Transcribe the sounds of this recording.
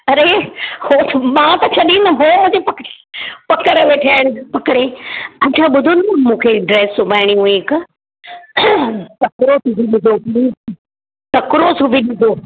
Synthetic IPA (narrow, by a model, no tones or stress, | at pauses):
ɐɾehoːsmãːt̪ɐt͡ɕʰɐɗĩnɐɦoːmũːd͡ʑepɐk | pɐkəɽəʋeːʈʰaːɪɽ̃pɐkɽeɐt͡ɕʰaɓʊd̪ʱonɐmũːkʰeɖɾeːsʊbʱaːɪɽ̃iũɪk | tɐkɾosubʱiɗɪd̪ʱopiː | kɐkɾoːsubʱiɗɪd̪ʱoː